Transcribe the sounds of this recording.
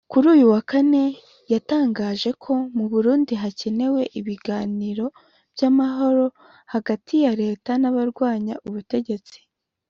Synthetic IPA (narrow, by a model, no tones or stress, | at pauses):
kuɾuːjuwakane̞ | jataːŋɡaːʒe̞kʰo̞muβuɾuːndiɦace̞ne̞we̞ʔiβiɡaːniɾo̞ | b̥jamaɦo̞ɾo̞ | haɡatʰijaɾe̞ːtanaβaɾɡwaːɲa̰ʔuβute̞ɟe̞t͡si̥